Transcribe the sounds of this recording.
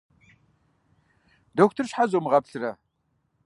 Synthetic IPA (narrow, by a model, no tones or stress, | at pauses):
doːk̚tʰɨrɕħazomɨʁɐpɬɨrɐ